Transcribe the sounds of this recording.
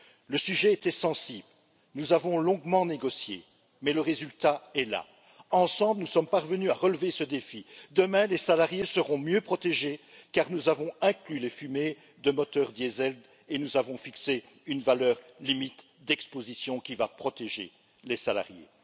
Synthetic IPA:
ləsyʒɛɛt̪ɛsɑ̃sibl | nuzavɔ̃lɔ̃ɡmɑ̃neɡɔsjḛ | mɛləʁezylt̪aɛla̰ | ɑ̃sɑ̃blnusɔmpaʁvənyaʁəlvesəd̪efid̪əmɛ̃lesalaʁjesəʁɔ̃mjøpχɔt̪eʒekaʁnuzavɔ̃ɛ̃klylefyme | d̪əmɔt̪œʁd̪jezɛld̪ | enuzavɔ̃fikse | ynvalœʁlimit̪ | d̪ɛkspozisjɔ̃kʲivapχɔt̪eʒḛ | lesala̰ʁjḛ

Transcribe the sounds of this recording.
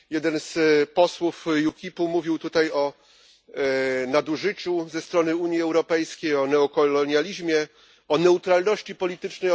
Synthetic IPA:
jɛd̪ɛnspɔswufjukʲipumuvʲiwt̪ut̪ajɔ | nad̪uʐɘt͡ʂuzɛst̪ɾɔnɘuɲjiɛwɾɔpɛjskʲejɔnɛɔkɔlɔɲjalʲiʑmʲjɛ | ɔnɛut̪ɾalnɔɕt͡ɕipɔlʲit̪ɘt͡ʂnɛj

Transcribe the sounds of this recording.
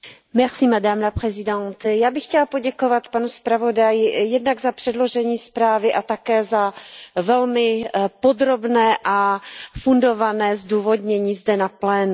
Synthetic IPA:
mɛʁsimɛdaːmnapr̥ɛzɪdɛnt̪jaːbɪxcɛlapoɟɛkovat̪panuspɾavo̞dajɪjɛdnaɡzapr̥ɛdlo̞ʒɛɲiːspɾaːvɪʔat̪akɛːzavɛlmɪpo̞d̪ɾo̞bnɛːʔafundo̞vanɛːzduːvo̞dɲɛɲiːzdɛnaplɛːnu

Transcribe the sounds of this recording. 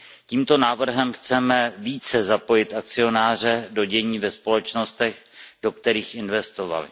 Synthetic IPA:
ciːmt̪o̞naːvr̩ɦɛmxt͡sɛmɛviːt͡sɛzapo̞jɪt̪ak̚t͡sɪo̞naːr̝ɛdo̞ɟɛɲiːvɛspo̞lɛt͡ʃno̞st̪ɛxdo̞k̚t̪ɛɾiːxɪnvɛst̪o̞va̰lɪ̰

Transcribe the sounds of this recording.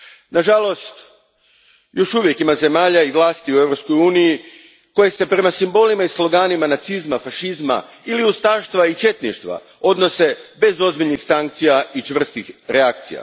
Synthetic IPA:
naʒalˠo̞st̪ | jo̞ʃuʋje̞kimaze̞maːʎaiʋlˠaːst̪iue̞ʋɾo̞psko̞juːniji | ko̞je̞se̞pɾe̞masimbo̞limaislˠo̞ɡanimanat̪sizmafaʃizma̰ | iliust̪aːʃt̪ʋait͡ɕje̞t̪niʃt̪ʋa̰ | o̞d̪no̞se̞be̞zo̞zbiʎnixsaŋk̚t̪sijait͡ʃʋr̩st̪ixɾe̞ak̚t̪sḭja̰

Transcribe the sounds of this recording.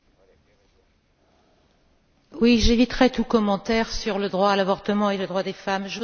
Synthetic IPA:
wiʒevit̪ʁɛt̪ukɔmɑ̃t̪ɛʁsyʁləd̪ʁwaːlavɔʁt̪əmɑ̃eləd̪ʁwad̪efamʒə

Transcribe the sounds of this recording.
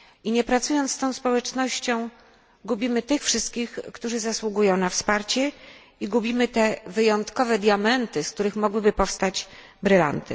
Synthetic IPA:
iɲɛpɾat̪sujɔnt̪st̪ɔ̃w̃spɔwɛt͡ʂnɔɕt͡ɕɔ̃w̃ | ɡubʲimɘt̪ɘxfʂɘst̪kʲixkt̪uʐɘzaswuɡujɔ̃w̃nafspaɾt͡ɕɛ | iɡubʲimɘt̪ɛvɘjɔnt̪kɔvɛd̪ʲjamɛnt̪ɘsk̚t̪uɾɘxmɔɡwɘbɘpɔfst̪ad͡ʑ | bɾɘla̰nt̪ɘ̰

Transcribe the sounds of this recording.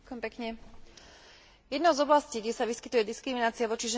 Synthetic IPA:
kʊjɛmpɛkɲɛ | jɛd̪nɔʊzɔblasciːɡɟɛsaʋiskit̪ujɛd̪iskɾiminaːt͡siaʋɔt͡ʃiʒɛ

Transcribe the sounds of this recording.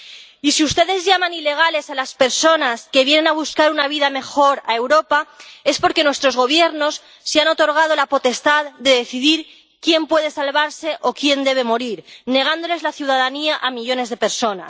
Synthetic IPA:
isiust̪eðe̞zʝamãnile̞ɣ̞ale̞salaspe̞ɾso̞naske̞βje̞ne̞naβ̞uskaɾunaβ̞iðame̞xo̞ɾae̞wɾo̞pae̞spo̞ɾke̞nwe̞st̪ɾo̞zɣo̞β̞je̞ɾno̞sː | eano̞t̪o̞ɾɣ̞að̞o̞lapo̞t̪e̞st̪aððe̞ðe̞θiðiɾ | kje̞mpwe̞ð̞e̞salβaɾse̞ʔo̞kje̞nd̪e̞β̞e̞mo̞ɾiɾne̞ɣ̞and̪o̞le̞zlaθjuðaðaniaʔamiʎo̞ne̞zðe̞pe̞ɾso̞na̰s

